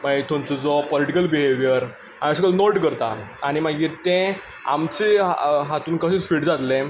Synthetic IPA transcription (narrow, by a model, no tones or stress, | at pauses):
maet̪ʰõnt͡sɔd͡zɔpɔliʈikəlbiɦeʋjəɾ | ã̰iəsəkəlnoʈkəɾt̪aaɽ̃imaɡiːɾt̪ẽ | a̰mt͡seɦat̪uːnkəɕẽt͡sfiʈd͡zat̪lẽ